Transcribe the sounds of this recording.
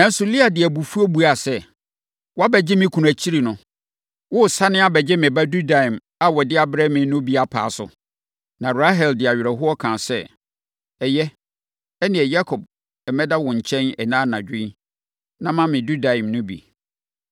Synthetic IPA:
ɛ̃˦n̩˦sʊ˨li˦a˨dɪ˨ɛ˨bu˨fu˦ɔ˦bu˨˦a˨sɛ˦ | wɔ˦a˦bɛ˨d͡ʑɪ˦mɪ̃˦kʰu˨æ˨t͡ɕʰi˦ɾi˨nʊ̃˦ | wʊ˦˨sa˦nɪ̃˦a˦bɛ˨d͡ʑɪ˦mɪ̃˨ba˦du˦da˨ĩ˨m | a˦wɔ˨dɪ˦a˦bɾɛ˦mɪ̃˨nʊ̃˦bi˦a˨pʰa̰ː˨sʊ̰˨ | nã˨ɾa˦ɦɛ˨ldɪ˨a˨ɥɪ˨ɾɛ˨ɦʊ˦ɔ˦kʰã˨sɛ˦ | ɛ˨jɛ˦ | ɛ˦nɪ̃˨ɛ˨ja˦kʰɔ˨b | ɛ˨mɛ˦da˦wɔ̃˨ɲ̩˨t͡ɕʰɛ̃˦nɛ˨nãː˦nã˨d͡ʑᶣɪ̃˦ | nã˦mã˦mɪ̃˨du˦da˨ĩ˨mnʊ̃˦bḭ˨

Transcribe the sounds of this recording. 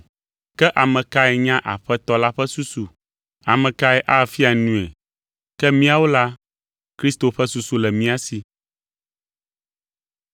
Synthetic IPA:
kɛ˦ʔa˨mɛ̃˨ka˦ɛ˨ɲã˦ʔa̰˨ɸɛ˦t̪ɔ˦la˦ɸɛ˦su˦su˨ | a˨mɛ̃˨ka˦ɛ˨ʔa˦˨fi˦a˨nũ˨ɛ̰˨ | kɛ˦mĩ˦a˨wo˦la˦ | kɾi˦st̪o˨ɸɛ˦su˦su˨lɛ˨mĩ˦a˦si˨

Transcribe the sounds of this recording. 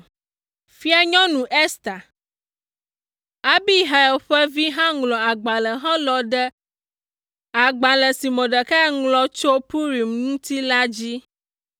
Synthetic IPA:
fi˦a˦ɲɔ̃˦nũ˨ʔe˦st̪a˨ | a˦bi˦˨ɦa˨ɛ˨ɸɛ˦vi˦ɦã˦ŋlɔ̃˨a˨ɡ͡ba˨lɛ˨ɦã˦lɔ˨ɖɛ˦ | a˨ɡ͡ba˨lɛ˨si˨mɔ̃˨ɖɛ˨kɛ˦ŋlɔ˦t͡ʃo˦pu˦ɾi˨mŋũ˦t̪i˦la˦d͡ʑi˦

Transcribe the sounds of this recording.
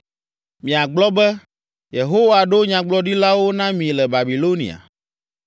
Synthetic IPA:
mĩ˨a˨ɡ͡blɔ˦bɛ˦ | je˨ɦo˦wa˨ɖo˦ɲã˨ɡ͡blɔ˦ɖi˦la˦wo˦nã˦mĩ˨lɛ˨ba˨bi˨lo˦nḭ̃˨a̰˨

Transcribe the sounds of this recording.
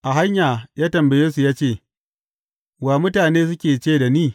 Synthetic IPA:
ʔa˨ɦa˦ɲjaː˨jaː˦tɐ˨mbɐ˨jeː˦su˨jaː˦t͡ʃeː˦˨ | waː˨mʊ˦taː˨neː˦s̬ʊ˦kʲeː˨t͡ʃeː˦˨da˨niː˦˨

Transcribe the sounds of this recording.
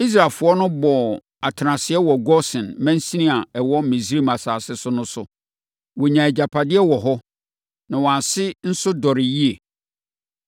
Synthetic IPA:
i˦s̬ɾa˨lfʊ˨˦ɔ˦nʊ̃˦bɔ˨ | a˨tʰɪ˨ɾã˨sɪ˨ɛ˦wɔ˨ɡɔ˦sɪ̃˨nmæ̃˦n̩˦sĩ˦nĩ˦a˨ɛ˨wɔ˦mĩ˨s̬ɾi˦ma˨saː˨sɪ˦sʊ˦nʊ̃˦sʊ˨ | wɔ˨ɲã˨ɛ˨d͡ʑa˨pʰa˨dɪ˦ɛ˦wɔ˨ɦɔ˦ | nã˨wɔ̃˨ã˨sɪ˦n̩˦sʊ˦dɔ˨ɾɪ˨ji˦e˨

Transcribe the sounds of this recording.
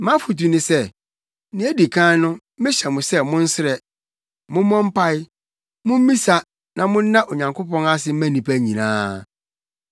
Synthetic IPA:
mã˦fu˨t̬u˨nɪ̃˨sɛ˦ | nɪ̃˨˦æ˦di˨kʰãː˦nʊ̃˦ | mɪ̃˦ɕɛ˨mʊ̃˨sɛ˦mʊ̃˦n̩˦sɪ˦ɾɛ˨ | mʊ̃˦mɔ̃˦m̩˦pʰa˦ɪ˦ | mʊ̃˦m˦mĩ˦sa˦ | nã˨mʊ̃˦n̩˦nã˦ʔo˨ɲã˨ŋkʰo˦pɔ̃˦na˦s̬ɪ˦m̩˦mæ̃˦nĩ˨pʰæ˦ɲĩ˨nã̰ː˦

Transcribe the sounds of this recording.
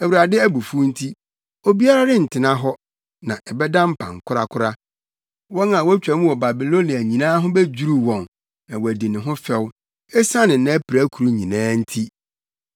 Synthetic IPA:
æ˨wu˨ɾa˨dɪ˦æ˦bu˨fu˦n̩˦tʰi˦ | o˦bi˦a˦ɾa˦dɪ˦n̩˨tʰɪ˨nã˦ɦɔ˦ | nã˨ʔɛ˨bɛ˦dã˦m̩˦pʰã̰˨ŋ̩˨kʰʊ˦ɾa̰˦kʰʊ˦ɾa˦ | wɔ˦nã˨wɔ˦t͡ɕᶣa˨mũ˦wɔ˨ba˨bi˨lo˦ni˨æ˨ɲĩ˨nãː˦ɦʊ̃˦bɛ˦d͡ʑu˦ɾu˨wɔ̃˨n | nã˨wɔ˨æ˨di˨nɪ̃˨ɦʊ̃˦fɛ˦˨w | ɛ˦sã˦nɪ̃˨nã˦pʰi˨ɾæ˦kʰu˨ɾu˦ɲĩ˨nãː˦n̩˦tʰi˦

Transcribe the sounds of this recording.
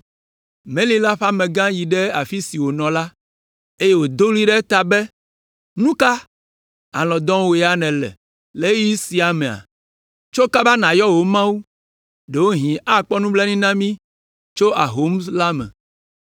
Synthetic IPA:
mẽ˦lĩ˦la˦ɸa˦mɛ̃˨ɡã˦ji˨ɖɛ˦a˨fi˦si˨wo˨nɔ̃˨la˦ | e˦je˦wo˨d̪o˦li˦ɖɛ˦t̪a˨bɛ˦ | nũ˦ka˦ | a˨lɔ̃˨d̪ɔ̃˦wo˨ja˦nɛ̃˨lɛ̰˨ | le˦ji˦si˨a˨mɛ̃˨a̰˨ | t͡ʃo˦ka˦ba˦nã˨jɔ˦wo˨mã˦wu˦ | ɖe˨wo˦ɦĩ˨ʔa˦k͡pɔ˦nũ˦blɛ˦nĩ˦nã˦mĩ˦ | t͡ʃo˦ʔa˨ɦo˨˦msla˦mɛ̰̃˨

